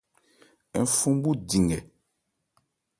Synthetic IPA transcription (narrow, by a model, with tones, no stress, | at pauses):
ɛ˨fũ˦mbu˦di˨ŋɡɛ˨